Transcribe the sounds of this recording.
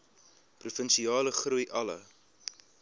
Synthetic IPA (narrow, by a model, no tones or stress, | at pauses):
prufənsiɑːləχrujʔɐlə̰